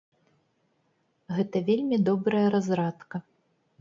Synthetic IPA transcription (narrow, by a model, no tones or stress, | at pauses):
ɣɛt̪ɐvʲelʲmʲid̪ɔbɾɐjɐɾazɾat̪kɐ